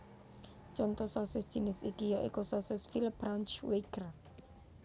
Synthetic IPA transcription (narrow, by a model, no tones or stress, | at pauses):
t͡ʃɔnt̪ɔsɔsɪsd̥ʒ̥i̤nɪsikijɔʔḭkɔsɔsɪsfilpɾant͡ʃwekər